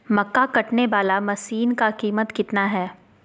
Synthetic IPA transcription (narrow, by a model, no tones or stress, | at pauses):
mɐkːakɐʈneʋaːlamɐsiːnkakiːmət̪kɪt̪naɦɛː